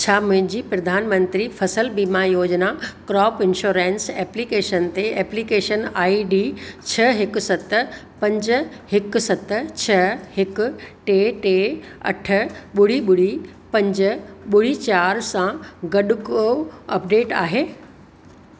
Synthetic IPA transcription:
t͡ɕʰaːmʊ̃ɦɪ̃ɲd͡ʑiːpɾɐd̪ʱaːnmə̃nt̪ɾifʰɐsəlbiːmajoːd͡ʑnakɾɔːpɪ̃nʃoːɾẽːnsɛːplikeːʃənt̪eɛːplikeːʃənaːiɖit͡ɕʰɐɦɪkʊ̆sɐt̪ | pɐ̃ɲd͡ʑʊ̆ | hɪksɐt̪t͡ɕʰɐhɪkʊ̆ʈeʈeː | ɐ̰ʈʰə̆ɓʊɽ̤iɓʊɽ̤i | pɐ̃ɲd͡ʑəɓʊɽ̤it͡ɕaːɾsãɡɐɗʊkoɐpɖeːʈa̰ːɦeː

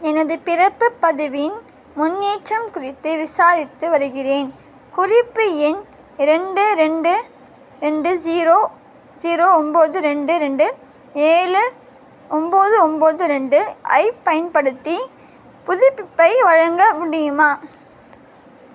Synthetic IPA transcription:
ɛnɐðɯpɪrɐpːɯpːɐðɯʋɪɪn | mʊnːiːʈrɐmkʊrɪt̪ːɯʋɪsaːɾɪt̪ːɯʋɐɾɯɣɪreːn | kʊrɪpːɯɛn | ɪɾɛɳɖɯɾɛɳɖɯ | ɾɛɳɖɯd͡ʒiːɾoː | d͡ʒiːɾoːɔmboːðɯɾɛɳɖɯɾɛɳɖɯ | eːɻɯ | ʔɔmboːðɯɔmboːðɯɾɛɳɖɯʔɐ̰ɪpːɐjɐnpɐɽɯt̪ːi | pʊðʊpːɪpːɐɪʋɐɻɐŋɡɐʋʊɽɪjɯmaː

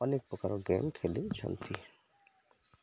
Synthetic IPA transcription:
ɔnek̚pokaɾoɡɛmkʰelit͡ɕʰa̰nt̪ʰi

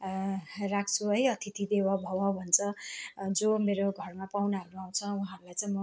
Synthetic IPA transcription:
rak̚ʰt͡sʰuɦʌjʌt̪ʰit̪ʰid̪ewabʱʌwʌbʱʌnt͡sʰʌd͡zomeɾoɡʱʌrmapawnaɦʌɾuaw̃t͡sʰʌwʌɦãɾulajt͡saĩmʌ

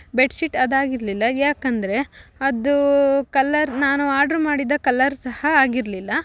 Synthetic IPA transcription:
beʈsiʈɐd̪aːɡiɾlilːɐjaːkɐnd̪ɐɾe̞ɐd̪ukɐlːɐɾnaːnuaːɾɖɐɾumaːɽid̪ɐkɐlɐɾsɐhɐaːɡiɾlilːɐ

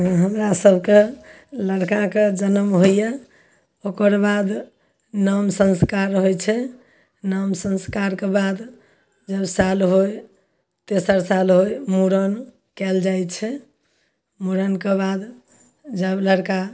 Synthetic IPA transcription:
ɦəmɾasəbʱke | ləɽkaked͡ʒənəmɦoje | okəɾbad̪ | nəmsə̃nskaɾɦojt͡ʃʰɛ | nəmsə̃nskaɾkebad̪ | d͡ʒəbsalɦoj | t̪esəɾsalɦojmuɾən | kɛld͡ʒajt͡ʃʰɛ | muɾənkebad̪ | d͡ʒəbləɽka

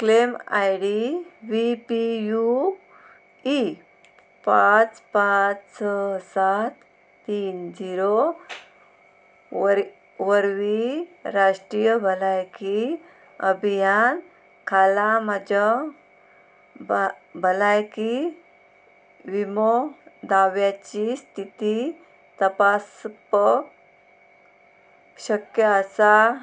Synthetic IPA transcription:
klema̰jɽiʋipiju | i | pat͡spat͡ssɔsat̪ː | iːnd͡ʑiɾo | ʋəɾʋiɾaɕʈɾijəbʱəlajki | əbʱijan | kʰalamad͡ʑa | bbʱəlajki | ʋimod̪aʋjat͡ɕist̪ʰit̪i | t̪əpasp | ɕəkjəːsa

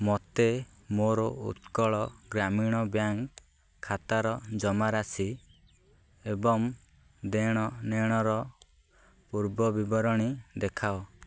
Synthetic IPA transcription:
mɔt̪e | moɾɔṵt̪kɔɭɔɡɾamiɽ̃ɔbjaŋkʰː | at̪aɾɔd͡ʒɔmaɾasi | ebɔŋ | d̪eɽ̃ɔneɽ̃ɔɾɔ | puɾbɔbibɔɾɔɽ̃id̪ekʰao

